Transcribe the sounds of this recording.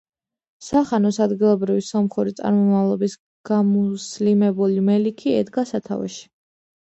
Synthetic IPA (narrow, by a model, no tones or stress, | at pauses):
saχanɔsad̪ɡilˠɔbɾivisɔmχuɾit̪sʼa̰ɾmɔmavlˠɔbis | ɡ̥amuslimɛbulimɛlikʰiɛ̰d̪ɡasat̪ʰa̰vɛ̰ʃi̥